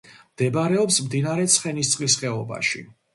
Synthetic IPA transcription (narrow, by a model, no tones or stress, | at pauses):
md̪̥ɛbaɾɛɔpsmd̪inaɾɛt̪sʰχɛnist̪sʼqʼlisχɛɔba̰ʃḭ